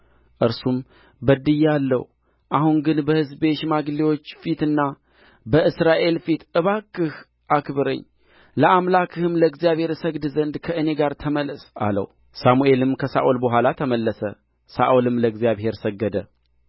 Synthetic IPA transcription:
ʔɨɾsum | bəd̪ɨjalːə̰w | ʔahuŋɡɨnbəhɨzbe̞ʃmaɡliwo̞t͡ʃːfit̪ɨnːa | bəɨsɾaʔe̞lfit̪ɨβakːɨh | ʔakβɨɾə̰ɲː | ləʔamlakʰɨhɨmləɡzijaβhe̞ɾsəɡd̪zənd̪kʰəʔɨne̞ɡaɾt̪ʰəmələsa̰lə̰w | samuʔe̞lɨmkʰəsa̰ʔolbəɦʷwalat̪ʰəməlːəsə | saʔolɨmləɨɡzijaβhe̞ɾsəɡːəd̪ə

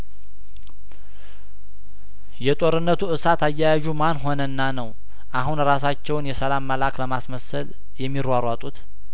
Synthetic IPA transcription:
jɛt̪ʼo̞ɾɨnːət̪ʰuʔɨsat̪ʰajːajaʒumanɦo̞nənːanəw | ʔaɦunɾasat͡ʃːɛwnjɛsəlamːəlakləmasməsəl | jɛmːiɾwaɾwat̪ʼut̪

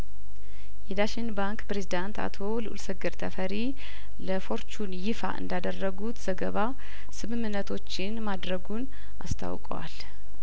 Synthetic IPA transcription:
jɛd̪aʃinbaŋkpɾe̞zid̪ant̪ʰa̰t̪ʰo̞lɨʔulsəɡɨɾt̪ʰəfəɾi | ləfo̞ɾt͡ʃʰunjɪfa̰ʔɨ̰nd̪ad̪ərːəɡut̪z̥əɡəβa | sɨmɨmːɨnːət̪ʰo̞t͡ʃːɪnmad̪ɾəɡun | ʔa̰st̪ʰa̰wkʼəwa̰l

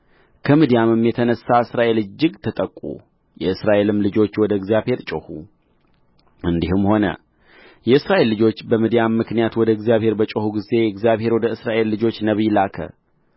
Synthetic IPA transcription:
kʰəmid̪ijamɨmːjɛt̪ʰənəsːaɨsɾaʔe̞lɨd͡ʒːɪɡt̪ʰət̪ʼəkʼːṵ | jɛɨsɾaʔe̞lɨmlɨd͡ʒo̞t͡ʃːwɔd̪əɨɡzjaβhe̞ɾt͡ʃʼohu | ʔɨnd̪ihɨmho̞nə̰ | jɛɨsɾaʔe̞lːɨd͡ʒo̞t͡ʃːbəmɨd̪ijamːɨknijat̪wɔd̪əɨɡzijaβhe̞ɾbət͡ʃʼohuɡize̞jɛɨɡzjaβhe̞ɾwɔd̪əɨsɾaʔe̞lːɨd͡ʒo̞t͡ʃːnəβilakʰə̰

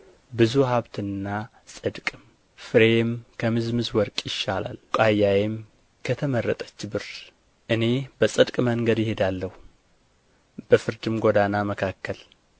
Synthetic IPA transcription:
bɨzuɦaβt̪ʰɨnːa | sʼɨd̪kʼɨm | fɨɾemkʰəmɨzmɨzwɔɾkʼjɪʃːala̰lkʼajajem | kʰət̪ʰəmərːət̪ʼə̥t͡ʃːbɨɾ | ʔɨne̞bəsʼɨd̪kʼməŋɡəd̪jɪhed̪alːəhu | b̥əfɨɾd̪ɨmɡod̪anaməkʰakʰːəl

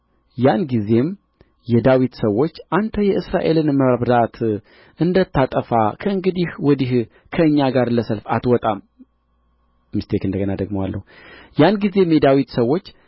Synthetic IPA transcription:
janɡize̞m | jɛd̪awit̪səwːo̞t͡ʃːʔant̪ʰəjɛʔɨsɾaʔe̞lɨnməɾβd̪at̪ | ʔɨnd̪ət̪ːat̪ʼəfa̰kʰəɨŋɡɨd̪ihwɔd̪ih | kʰəɨɲːaɡaɾləsəlfat̪wɔt̪ʼam | mɨst̪ʰekɨnd̪əɡənad̪əɡmowa̰lːə̰hu | janɡize̞mjɛd̪awit̪səwːo̞t͡ʃː

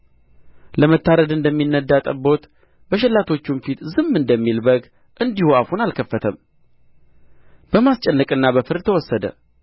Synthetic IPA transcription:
ləmət̪ʰːaɾəd̪ɨnd̪əmːinːəd̪ːat̪ʼə̰bo̞t̪ | bəʃɛlːat̪ʰo̞t͡ʃːumfit̪zɨmːɨnd̪əmːilbəɡ | ʔɨnd̪ihuafunalkʰəfːət̪ʰəm | b̥əmast͡ʃʼɛnːəkʼɨnːabəfɨɾd̪t̪ʰəwɔsːəd̪ə̰

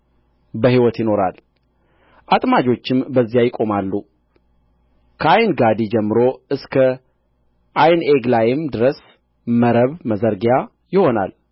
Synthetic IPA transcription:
bəɦiwɔt̪jɪno̞ɾa̰l | ʔat̪ʼmad͡ʒo̞t͡ʃːɪmbəzːijajɪkʼo̞malːu | kʰəajnɡad̪id͡ʒɛmːɨɾo̞ɨskʰə | ʔajneɡlajɪmd̪ɨɾəs | məɾəβməzəɾɡja | jɪho̞na̰l

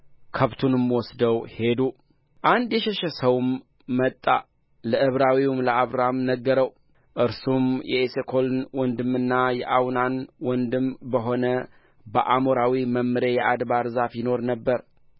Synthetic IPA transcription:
kʰəβt̪ʰunɨmwɔsd̪əwhe̞d̪u | ʔand̪jɛʃɛʃɛsəwmː | ət̪ʼːa̰ | ləʔɨβɾawiwmləaβɾamnəɡːəɾəw | ʔɨɾsumjɛʔesekʰo̞lnwɔnd̪ɨmɨnːajɛʔawnanwɔnd̪ɨmbəɦo̞nə | bəʔamoɾawiməmːɨɾe̞jɛʔad̪baɾzafjɪno̞ɾnəbːəɾ

